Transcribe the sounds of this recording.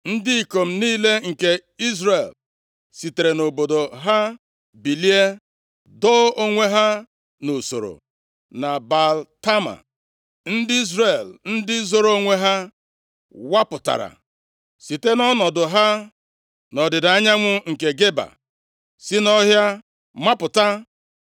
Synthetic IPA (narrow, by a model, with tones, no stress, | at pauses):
n̩˦dɪ˦i˨ko˨m̩˨˦niː˦le˦ŋ̩˨ke˨i˦zɾe˨l | si˨te˨ɾe˨no˨bo˨do˨ɦa˦ | bi˨li˦e˦ | dɔ˦o˦ŋʷe˦ɦa˦ | no˨so̰˨ɾo̰˨ | na˨ba˨lta˦ma̰˨ | n̩˦dɪ˦i˦zɾe˨ln̩˦dɪ˦zo˦ɾo˦ŋʷe˦ɦa˦ | wa˦pʊ˨ta̰˨ɾa̰˨ | si˨te˦nɔ˦nɔ˨dʊ˨ɦa˦ | nɔ˨dɪ˨da˨a˦ɲa˦ŋʷʊ˦ŋ̩˨ke˨ɡe˦ba̰˨ | sɪ˦nɔ˦ɦja˦ | ma˦pʊ˨ta˦